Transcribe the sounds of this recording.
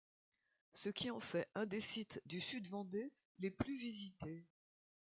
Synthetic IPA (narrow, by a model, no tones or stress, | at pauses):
səkʲiɑ̃fɛʔɛ̃d̪esit̪d̪ysyd̪vɑ̃d̪e | leplyvizit̪e